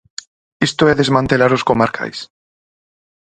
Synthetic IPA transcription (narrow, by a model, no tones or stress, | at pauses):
est̪oeðe̞zmãnt̪e̞laɾo̞skomaɾkʰa̰js